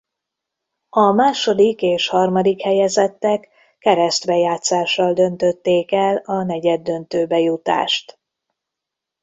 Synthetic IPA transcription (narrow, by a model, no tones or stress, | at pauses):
ɒmaːʃo̞d̪ikeːʃhɒrmɒd̪ikhɛjɛzɛt̪ːɛkː | ɛɾɛst̪bɛjaːt̪saːʃːɒld̪ønt̪ø̞t̪ːeːkɛlɒnɛɟɛd̪ːø̞nt̪øːbɛjut̪a̰ːʃt̪